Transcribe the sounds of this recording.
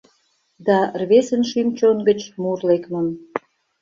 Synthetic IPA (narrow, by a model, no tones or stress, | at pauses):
d̪ɑrβesənʃymt͡ɕonɡə̆t͡ɕmurlekmən